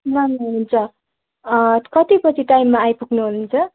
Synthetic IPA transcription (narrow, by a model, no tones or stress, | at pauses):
bʌnːuɦununt͡sʰʌ | kʌt̪ipʌt͡sʰiʈajmːaːjpukʰnuɦununt͡sʰʌ